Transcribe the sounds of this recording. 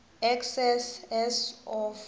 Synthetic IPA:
ɛksɛsɛsɔf

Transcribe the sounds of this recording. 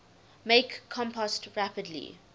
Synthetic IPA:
mekʰːɔ̃mpɔstɹapədlḭ

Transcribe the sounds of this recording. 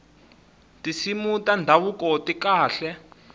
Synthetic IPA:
tʼisimutʼandʱawukɔtʼikaːɬɛ

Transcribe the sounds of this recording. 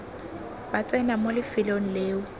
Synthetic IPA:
bat͡sʼɛnamolɪfɪlon̩leːʊ

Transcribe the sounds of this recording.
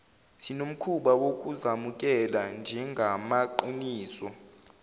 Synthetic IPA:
sinom̩kʰuɓawok̬ʼuzamuk̬ʼɛland͡ʒʱɛŋɡʱamaǃiniːsɔ

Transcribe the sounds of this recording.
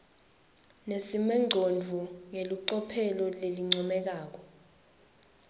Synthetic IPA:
nesimɛŋ͡ǀʱond͡vʱuŋeliǃɔpʰɛlɔleliŋ͡ǀɔmɛk̬aːk̬ɔ

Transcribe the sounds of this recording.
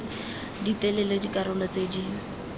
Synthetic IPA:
dit̪ɛlɛledikʼaɾʊlɔt͡sediː

